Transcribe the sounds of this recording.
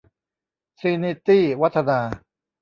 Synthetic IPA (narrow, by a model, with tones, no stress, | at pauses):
si˧ni˧t̪iː˥˩wa˦˥t̪ʰːa˧naː˧